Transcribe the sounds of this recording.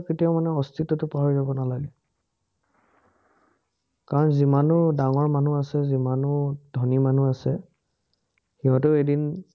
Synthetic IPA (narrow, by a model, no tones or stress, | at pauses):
kitijaʊmanɛɔstʰitɔtʊpaɦɔɹizabɔnalaɡɛ | kaɹɔnzimanʊdaŋɔɹmanuasɛzimanʊdʱɔniman̤uasɛ | xiɦɔtɛedin